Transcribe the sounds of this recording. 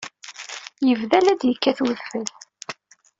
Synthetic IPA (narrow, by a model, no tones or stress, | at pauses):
jəvðælæd̪jəkːæθwəðfəl